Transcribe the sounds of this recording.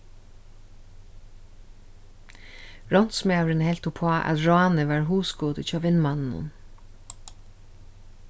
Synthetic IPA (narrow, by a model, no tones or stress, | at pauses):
ɹɔn̥t̪smawɾɪnhɛlt̪ʊpʰoaʔæ̰t̪ɹaːnɪʋaɹɦuːsɡuːd̪ɪt͡ʃʰɑːʋɪnːmanɪnʊ̰n